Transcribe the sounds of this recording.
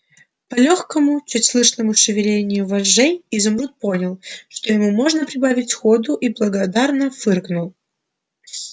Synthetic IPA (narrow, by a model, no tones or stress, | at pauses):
pɐlʲoxkəmʊt͡ɕutʲslˠɨʂnəmʊʂɨvʲɪlʲenʲɪjʊvɐʐejizʊmɾut̪̚po̞nʲɪlˠʂt̪o̞jɪmumo̞ʐnəpɾʲɪbavʲɪtʲxod̪ʊʔiblˠəɡɐd̪arnəfɨrknʊlˠ